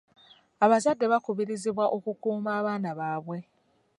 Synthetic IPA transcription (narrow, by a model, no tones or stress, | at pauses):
aβazadːe̞βakuβiɾiziβwaʔo̞kukuːmaːβaːnaβaːβwe̞